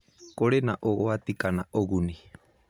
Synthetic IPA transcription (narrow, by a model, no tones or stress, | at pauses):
koɾenaʔoɣoat̪ikanaʔoɣuni